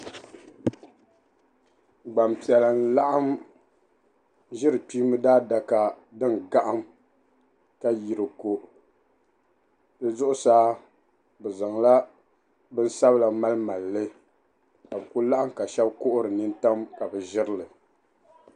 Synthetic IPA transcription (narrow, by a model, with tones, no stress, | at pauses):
ɡ͡ba˨mpi˨ɛ˨la˨n̩˦la˦ʔa˦m | ʒɪ˦ɾɨ˨pi˦mɨ˦daː˦da˨ka˨ | dɨ˦nɡa˦ʔa˦m | ka˦ji˨ɾɨ˨ko˦ | dɨ˦zʊ˦ʔʊ˦saː˦ | bɛ˨za˨ŋla˦ | bɨ˦n̩˦sa˦βla˨ma˦lma˨lːɨ˦ | ka˨bku˦la˦ʔa˦mka˨ʃɛ˦bkʊ˦ʔʊ˦ɾɨ˨nɨ˦n˦ta˦mka˨bɨ˨ʒɪ˦ɾɨ˦lɨ˨